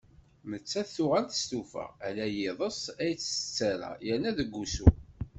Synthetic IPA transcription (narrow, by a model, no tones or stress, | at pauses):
mət͡sːæθθʊʁænt̪ə̥st̪ufə̰ʁælæjeðˤəsæjət͡sːə̥t͡sːæɾæ̰jənːæðəɡːusu